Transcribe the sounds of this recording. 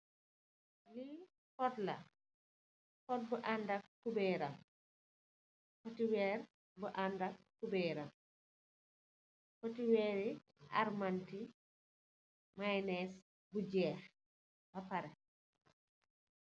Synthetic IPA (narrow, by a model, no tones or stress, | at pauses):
li | fɔtlɐ̰ | kɔt̚buʔandakkːubɛɾam | kɔtiwɛːɾ | buʔandakːubɛɾam | kɔtiwɛːɾi | ʔa̰ɾmanti | majnɛs | bud͡ʒɛːx | bɐpɐɾɛ